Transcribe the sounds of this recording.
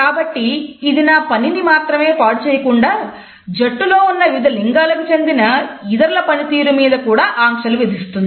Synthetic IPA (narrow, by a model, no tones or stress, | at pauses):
kaːbɐʈːiːd̪inaːpɐninimaːt̪ɾɐme̞ːpaːɽut͡ʃeːjɐkuɳɖaː | d͡ʒɐʈːulo̞ːunːɐjud̪ʱɐliŋɡaːlɐkut͡ʃe̞nd̪inɐid̪ɐɾulɐpɐnit̪iːɾumiːd̪ɐkuːɽaːʔaːmʂɐluʋed̪ʱist̪und̪i